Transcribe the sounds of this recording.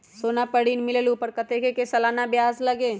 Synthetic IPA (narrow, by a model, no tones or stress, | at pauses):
soːnapɐɽiːnmɪleluːpəɾkɐt̪ekekesɐlaːnabjaːzlɐɡeː